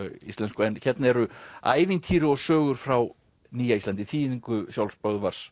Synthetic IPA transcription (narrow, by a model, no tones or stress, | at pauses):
ḭst̪lɛnskʏɛnçɛt̪naɛɾʏa̰ːjvɪnt̪ʰiːɾʏɔsœːɣʏɾ̥fɾaw | niːjaist̪ant̪ɪθʰiːðiŋkʏsjawlspœɣðvaɾ̥s